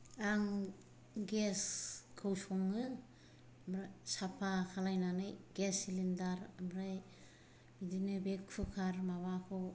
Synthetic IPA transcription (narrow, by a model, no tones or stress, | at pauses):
aŋ | ɡeskʰɯwsɔŋɯ | mɾasapʰakʰalajnanɯjɡesilindaɾamɾaj | bidinɯbekʰɯkʰaɾmaβakʰɔ